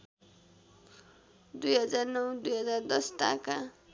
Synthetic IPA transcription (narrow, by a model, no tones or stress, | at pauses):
d̪ujɦʌd͡zarnʌwd̪ujɦʌd͡zard̪ʌsʈa̰ka